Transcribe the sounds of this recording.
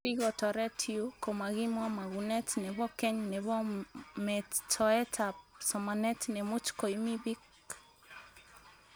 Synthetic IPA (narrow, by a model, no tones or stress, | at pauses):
piɣɔtɔɾɛtʰiukɔmaɣimwamaɣunɛtnɛβɔkɛɲnɛβɔmɛtʰɔɛtʰasɔmanɛtnɛmut͡ʃkɔimiβik